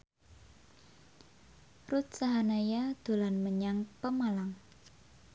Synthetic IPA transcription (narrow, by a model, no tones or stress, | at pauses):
rʊt̪̚saɦanajad̪̥o̤lanməɲaŋpəmalaŋ